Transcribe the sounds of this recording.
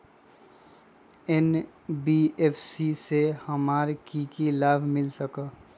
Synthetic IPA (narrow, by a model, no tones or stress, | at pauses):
en | biepʰsisehəmaːɾkikilaːbʱmɪlsəkə